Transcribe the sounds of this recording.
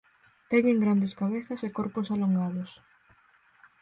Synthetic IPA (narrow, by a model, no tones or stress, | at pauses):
t̪ɛŋeŋɡɾand̪eskaβeθɐsekoɾpʊsaloŋɡaðʊs